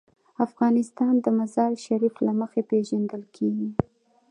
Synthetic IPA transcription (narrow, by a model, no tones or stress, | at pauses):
afɣɑnɪst̪ɑnd̪əmazɑlʃaɾiflaməxepeʒand̪əlkʰeɡi